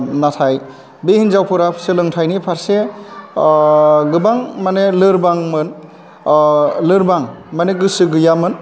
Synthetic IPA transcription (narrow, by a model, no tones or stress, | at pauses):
natʰaj | behinzawpʰɯɾapʰselɯŋtʰajnipʰaɾse | ɡɯbaŋmanelɯɾbaŋmɯn | lɯɾbaŋmaneɡɯsɯɡɯjamɯn